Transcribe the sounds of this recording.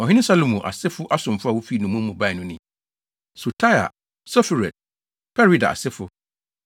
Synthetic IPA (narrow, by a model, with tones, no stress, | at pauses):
ɔ˨ɦɪ̃˦nɪ̃˦sa˦lo˨mũ˨ʔa̰˨sɪ˦fʊ˦ʔa˦sʊ̃˨m˨fʊ˦a˨wo˦fi˦˨nũ˨mũ˦m̩˦mũ˨ba˦˨ɪ˨nʊ̃˦nɪ̃˨ | su˨tʰa˦ja̰˨ | sɔ˦fi˨ɾɛ˨d̚ | pʰɛ˦ɾi˦da̰˨a̰˨sɪ˦fʊ˦